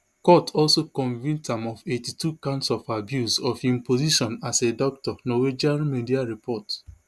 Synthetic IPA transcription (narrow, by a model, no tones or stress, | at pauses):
kɔtʰɔlsokɔ̃nvĩntãmɔfetitukãnsɔfabjusɔfĩmpoziʃɔ̃nasedɔk̚tɔnɔwed͡ʒalmediaɹipʰɔt